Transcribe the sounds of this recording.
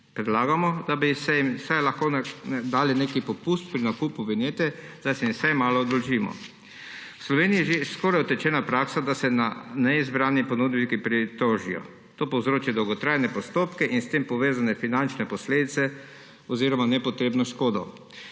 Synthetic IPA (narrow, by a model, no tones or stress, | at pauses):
pɾɛd̪laːɡamɔd̪abisɛjimsajlaxkond̪aːlinekipɔpust̪pɾinakuːpuʋɛnjeːt̪ɛzasɛjimsajmaːlɔːd̪ɔlʒiːmɔ̰ | wslɔʋeːniːɛʒeskɔːɾajɔt̪ɛt͡ʃɛːnapɾaːksad̪asɛnanɛizbɾaːnipɔnuːd̪bikipɾit̪oːʒḭjɔ̰ | t̪oːpɔwzɾoːt͡ʃid̪ɔwɡɔt̪ɾaːjnɛpɔst̪oːpkɛʔinst̪eːmpɔʋeːzanɛfinant͡ʃnɛpɔsleːd̪it̪sɛ | ɔziːɾɔmanɛpɔt̪ɾeːbnɔʃkoːd̪ɔ